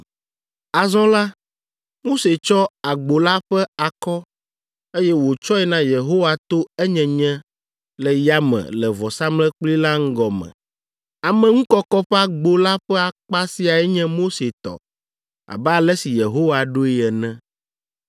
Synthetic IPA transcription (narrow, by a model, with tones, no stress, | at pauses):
a˨zɔ̃˦la˦ | mo˦se˨t͡ʃɔ˦a˨ɡ͡bo˨la˦ɸɛ˦a˨kɔ˦ | e˦jɛ˦wo˨t͡ʃɔ˦ɛ˦nã˦je˨ɦo˦wa˨t̪o˦ɛ˦ɲɛ̃˨ɲɛ̃˦ | lɛ˨ja˦mɛ̰̃˨lɛ˨vɔ˨sa˦mlɛ˦k͡pli˦la˦ŋ̩˦ɡɔ˨mɛ̰̃˨ | a˨mɛ̃˨ŋũ˦kɔ˦kɔ˦ɸɛ˦a˨ɡ͡bo˨la˦ɸɛ˦a˨k͡pa˦si˦a˨ɛ˦ɲɛ̃˦mo˦se˨t̪ɔ̰˨ | a̰˨bɛ˦a˨lɛ˦si˨je˨ɦo˦wa˨ɖo˦i˦ɛ˨nɛ̃˦